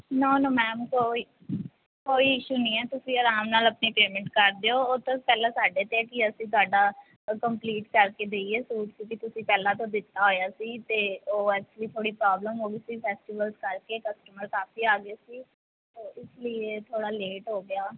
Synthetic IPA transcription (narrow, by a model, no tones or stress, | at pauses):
noːnoːmɛ̃ːmkoːiː | koːiːɪʃuːnĩːɛːt̪ʊsĩːəɾaːmnaːləpniːpeːmɛ̃ɳʈkəɾd̪eːoːoːt̪õpɛːlãːsaːɖeːt̪ekɪəsĩːt̪̬oaːɖaː | kəmpliːʈkəɾkeːd̪eːieːsuːʈsiːkɪt̪ʊsĩːpɛːlãːt̪̬õːd̪ɪt̪ːaːɦoːjaːsiːt̪eːoːɛːk̚t͡ʃəliːt̪ʰoːɽiːpɾaːbləmɦoːɡisiːpʰɛːsʈiːʋəlzkəɾkeːkəsʈəməɾkaːfiːaːɡɪaːsiː | t̪oːʔɪslɪeːt̪ʰoːɽaːleːʈɦoːɡɪaː